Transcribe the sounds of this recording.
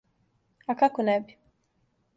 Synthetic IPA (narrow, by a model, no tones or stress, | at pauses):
akakonɛbi